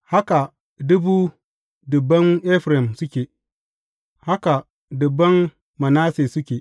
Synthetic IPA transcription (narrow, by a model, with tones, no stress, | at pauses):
ha˦ka˨ | dʊ˦buː˦ | dʊ˨bːɐ˦ŋʔɛ˦ɸɾɛ˨msʊ˦kʲeː˨ | ha˦ka˨ | dʊ˨bːɐ˦mː | ɐ˨naː˦seː˨sʊ˦kʲeː˨